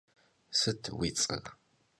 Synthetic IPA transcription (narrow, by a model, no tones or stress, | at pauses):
sɨtʰwit͡sʼɐ̰ʁ